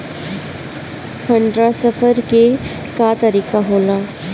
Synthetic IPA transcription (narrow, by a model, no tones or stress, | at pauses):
pʰə̃ɳɖɾasəfʰəɾke | kaːt̪əɾiːkaɦoːlaː